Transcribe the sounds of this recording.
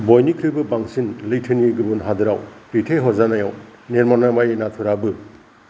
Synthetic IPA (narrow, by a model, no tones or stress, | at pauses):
bɔjnikʰɾɯbɯbaŋsinlɯjtʰɯniɡɯbunɦadɯɾawɾitʰeɦɔzanajaw | neɾmanamajenatʰuɾabɯ